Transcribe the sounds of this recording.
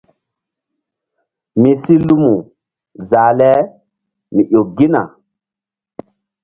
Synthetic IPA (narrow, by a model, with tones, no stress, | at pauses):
mi˨si˦lu˦mu˨ | za˨lɛ˦ | mi˨ʔo˨ɡi˦na̰˨